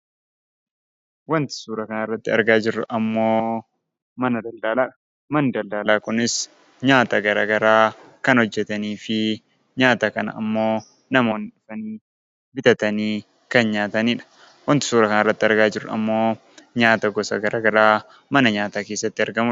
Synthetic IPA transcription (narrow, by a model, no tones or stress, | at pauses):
wɐnt̪ɪ̥suːɾɐkɐnaɪrːɐt̪ːɪɐ̰ɾɡaːd͡ʒɪɾːʊʔɐmːo̞ː | mɐnɐd̪ɐld̪aːlaːᶑ | mɐnd̪ɐld̪aːlaːkʊnɪs | ɲaːt̪ɐɡɐɾaːɡɐɾaː | kɐnhɔd͡ʒːɛt̪ɐniːfɪ | ɲaːt̪ɐkɐnɐ̰ɐ̰mːo̞ː | nɐmo̞ːnɪᶑʊ̥fɐniː | bɪt̪ɐt̪ɐniː | kɐnɲaːt̪ɐniːᶑɐ̥ | wɐnt̪ɪ̥suːɾɐkɐnrːɐt̪ːɪɐɾɡaːd͡ʒɪɾːʊɐ̰mːo̞ː | ɲaːt̪ɐɡɔsɐ̰ɡɐɾaːɡɐɾaː | mɐnɐɲaːt̪aːke̞ːsːɐt̪ːɪɐɾɡɐmʊ